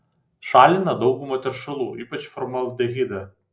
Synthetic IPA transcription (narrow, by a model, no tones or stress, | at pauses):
ʃɑːlʲɪnɐd̪ɒʊɡʊmɐt̪ʲɛɾʃɐlˠuːʔiːpɐt͡ʃfɔɾmɐlˠd̪ʲɛɣʲiːd̪ɐ